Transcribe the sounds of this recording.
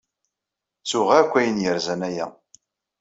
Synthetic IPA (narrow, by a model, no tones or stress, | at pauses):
t͡sːʊʁakʷːæjənjəɾzænæjæ̰